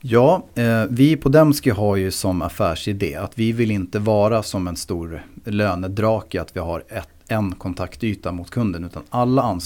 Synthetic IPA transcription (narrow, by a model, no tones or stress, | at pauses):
jɑːvɪpʰɔd̪ɛmskɪɦaɾjɵsɔma̰fæːʂɪd̪ḛːat̪vɪvɪlɪnt̪əvɑːɾasɔmɛnst̪uːɾløːnəd̪ɾɑːkɪat̪vɪhaɾɛ | ɛnkʰɔnt̪ʰakt̪yːt̪amʊt̪kʰɵnd̪ənʉ̟ːt̪a̰nalːaans